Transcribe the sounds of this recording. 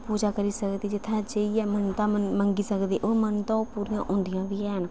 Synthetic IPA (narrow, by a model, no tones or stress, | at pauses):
puːd͡ʒaːkəɾiːsəkd̪eːd͡ʒɪt̪ʰːãːd͡ʒeiːɛːmənt̪ãːəməŋɡiːsəkd̪eːʔoːmənt̪ãːopuːɾijã̰ːʔʊ̃ːnd̪ijãːbiːɦɛːɦən